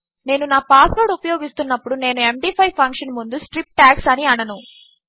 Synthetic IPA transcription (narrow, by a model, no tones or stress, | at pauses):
ne̞ːnunaːpaːsloːɽupɐjoːɡist̪unːɐpːuɽune̞ːnuemɖiːpʰɐjpʰɐŋkʂɐnmund̪usʈɾip̚ʈaːksɐniɐnɐnu